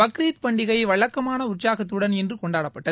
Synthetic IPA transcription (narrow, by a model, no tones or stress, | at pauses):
ɐkɾiːt̪pɐɳɖɪɣɐɪʋɐɭɐkːɐmaːnɐʊʈt͡ʃaːɣɐt̪̬ːɯɽɐnɛndrɯkɔɳɖaːɽɐpːɐʈːɐ